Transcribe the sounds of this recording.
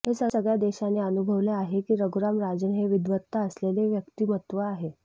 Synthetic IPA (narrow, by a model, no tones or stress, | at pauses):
ɦesəsəɡɭjad̪eɕaneənubʱəʋleaɦekiːɾəɡɾamɾad͡zəɳɦeʋid̪ʋət̪ːaəsleleʋjəkt̪iːmət̪ʋəaɦe